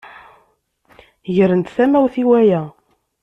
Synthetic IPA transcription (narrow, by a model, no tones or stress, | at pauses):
ʝəɾənt̪θæmæwθiwæjæ